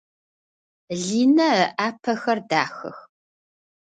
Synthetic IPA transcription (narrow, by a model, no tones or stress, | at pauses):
ɮiːnɐʔaːpʰɐxɐrdaːxɨ̰x